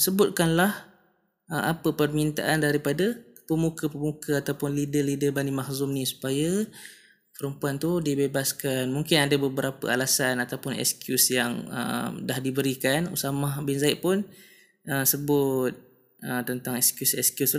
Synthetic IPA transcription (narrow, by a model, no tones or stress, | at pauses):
səbʊt̪̚kanlah | ʔəmʔapəpərmint̪a̰ʔandaɾipadə | pəmukəpəmukʰəat̪awpʊnlidəlidəbanimahzʊmnĩsu̥pajə | pəɾəmpuant̪udibebaskanmuŋkɪnadabəbəɾapə̰a̰lasanat̪awpʊnɛ̰skjusjaŋə̰mdahdibəɾikanṵsamahbinzaɪʔ̪̚pʊn | ʔəsəbʊt̪̚ | ət̪ənt̪aŋɛkskjusɛskjus